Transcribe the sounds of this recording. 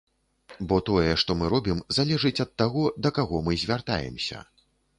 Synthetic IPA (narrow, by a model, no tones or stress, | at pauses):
bɔt̪ɔjɛʂt̪ɔmɨɾɔbʲimzalʲɛʐɨt͡sʲɐt̪ːaɣɔd̪ɐkaɣɔmɨzʲvʲart̪a̰jɛ̰msʲɐ̰